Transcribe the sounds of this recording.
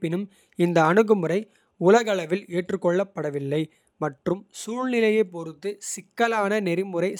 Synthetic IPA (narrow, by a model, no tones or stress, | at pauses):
pɪnɯm | ɪnd̪ɐːɳɯɣɯmɯɾɐɪ | ʊlɐɣɐɭɐʋɪleːʈrɯkːɔɭːɐpːɐɽɐʋɪlːɐɪ | mɐʈrɯmsuːɻnɪlɐjɐɪpːɔɾɯt̪ːɯsɪkːɐlaːnɐnɛɾɪmɯɾɐɪ